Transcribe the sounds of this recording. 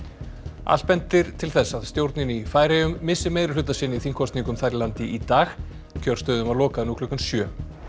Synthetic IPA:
a̰l̥̚pɛnt̪ɪɾ̥t̪ʰɪlθɛsːaðst̪jowɾt̪nɪnifaːjɾejʏmːɪsːɪmeːjðɾɪ̥lʏːt̪asɪnɪiθiŋkʰɔst̪niŋkʏmθajɾlant̪ɪʔit̪aːx | cʰœr̥st̪œːðʏmaðlɔːkaðnukʰlʏkansjœː

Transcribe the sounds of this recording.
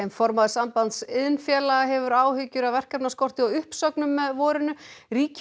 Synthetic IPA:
ejmfɔɾmaðɪsampant̪sɪðnfjɛːlaɣaɦɛvʏɾaːwhʏcʏɾawvɛr̥kapnaskɔr̥t̪ɪɔwʏhpsœknʏmːɛðvɔːɾɪnʏɾiːc

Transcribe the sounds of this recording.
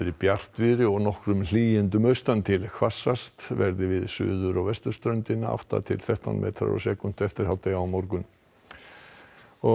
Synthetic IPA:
ɪɾɪpjar̥t̪vɪɾɪɔɣnɔhkɾʏml̥iːjɪnt̪̬ʏmœɥst̪ant̪ʰɪlkʰvasːast̪vɛɾðɪvɪðsʏ̰ːðʏɾɔɣvɛst̪ʏ̥st̪ɾœɥnt̪ɪnaʔa̰ft̪a̰t̪ʰɪlθɛht̪a̰nmʔɛ̰ðt̪ʰɾa̰ɾɔ̰sɛːkʏm̥t̪ɛft̪ɪɾ̥hawt̪ejaawmɔɾkʏn | ɔ

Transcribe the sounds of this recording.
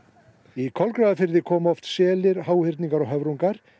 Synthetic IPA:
ikʰɔlkɾaːðafɪɾðɪkʰɔːmɔft̪sɛːlɪɾhaːwhɪɾt̪niŋkaɾɔɣɦœvɾuŋkaɾ̥

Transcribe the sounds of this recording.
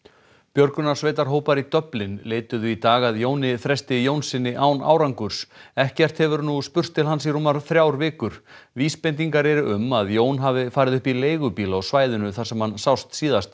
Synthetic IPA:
pjœɾknʏnasveːjt̪aɾ̥ɦoːwpaɾit̪œplɪnleːjt̪ʏðʏit̪aːɣaðjoːwnɪθɾɛst̪ɪjownsɪnːɪʔaːwna̰ːwɾaŋkʏɾ̥sɛhcɛr̥t̪hɛvʏɾnuspʏr̥t̪ʰːɪlɦansiɾuːmːaɾ̥θɾjawɾvɪːkʏɾ̥viːspejnt̪iŋkaɾɛɾʏʔʏmaðjoːwnɦavɪfaːɾɪðʏhpileːjɣʏpiːlaawsvaːjðʏnʏθarsɛmhansawst̪siːðast̪

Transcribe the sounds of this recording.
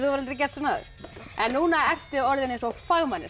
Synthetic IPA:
θuvaɾalt̪ɾɪcɛst̪sɔnaðʏ̰ɾ̥ɛnːuːnaɛr̥t̪ʏɔɾðɪnejnsɔfaɣmanːɪ̰

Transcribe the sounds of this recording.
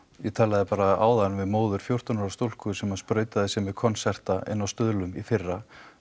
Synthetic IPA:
jɛt̪ʰɛːlaðɪpaːɾaa̰ːwðanvɛðmoːwðʏɾ̥fjowr̥t̪ʏnaɾast̪owl̥kʏsɛmaðspɾœːɥt̪aðɪsjɛmɛðkʰɔnsɛr̥t̪aʔɪ̰nːawst̪ʏðlʏmifɪrːa

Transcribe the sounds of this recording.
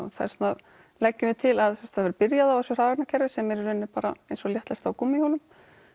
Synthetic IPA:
ɔ̰θa̰ɾ̥sɔna | lɛcːʏmɪt̪ʰɪlaðθɛst̪aðvɛɾpɪɾjaðawvɛsʏr̥aːvaknacʰɛɾvɪsɛmɛɾʏɾʏnːʏpaːɾa̰ejnsɔljɛht̪lɛst̪awkumːɪjhowlʏm

